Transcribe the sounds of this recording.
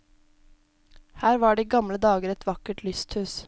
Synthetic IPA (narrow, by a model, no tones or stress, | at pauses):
hæːɾʋɑːɖiːɡɑmləd̪ɑːɡəɾɛt̪ʰʋɑkəʈlʏst̪hʉːs